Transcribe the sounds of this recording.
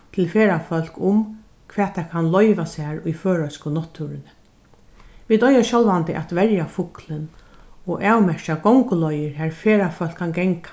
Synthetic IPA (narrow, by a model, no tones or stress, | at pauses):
t̪ʰɪlfeːɾafœl̥kʊm | kʰʋɛːt̪ʰːaːkʰanlɔjʋasaːɹʊjføːɹœskʊnɔht̪ʰːuːɾɪnɪ | ʋiːt̪ɔjaʃɕɔlʋant̪ɪʔɛ̰t̪ʋɛɾjafʊklɪn | ɔʔaːwmɛʂt͡ʃaɡɔwŋkʊlɔjɪɾɦæːɹfeːɾafœl̥kʰːanɡɛŋkḁ